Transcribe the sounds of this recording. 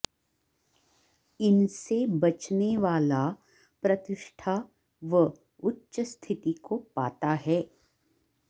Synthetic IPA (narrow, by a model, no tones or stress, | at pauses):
ɪnsebɐt͡ʃneʋaːla | pɾɐt̪ɪʃʈʰa | ʋə | ʊtːʃəst̪ʰɪt̪ikopaːt̪aɦɛː